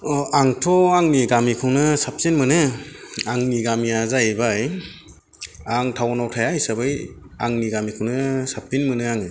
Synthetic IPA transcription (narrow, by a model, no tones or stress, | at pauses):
aŋtʰɔaŋniɡamikʰɯŋnɯsap̚sinmɯnɯaŋniɡamiazajbaj | aŋtʰawɔnawtʰajajsabɯj | aŋniɡamikʰɯwnɯsap̚tinmɯnɯaŋɯ